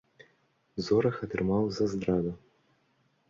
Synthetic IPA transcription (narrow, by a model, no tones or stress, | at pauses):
zɔɾɐxɐt̪ɾɨmawzɐzd̪ɾad̪ɐ